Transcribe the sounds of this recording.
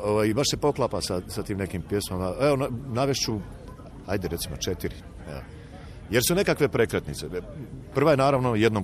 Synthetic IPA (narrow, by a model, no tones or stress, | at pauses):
oʋajibaʃse̞po̞klˠaːpasasat̪iːmne̞kiːmpje̞smomaeonnaʋjeʃt͡ɕu | hajd̪eɾe̞t̪simot͡ʃet̪iɾi | ḛ | je̞ɾsune̞kakʋe̞pɾekɾat̪nḭt̪sepr̩ʋaje̞naːɾaʋnojed̪nom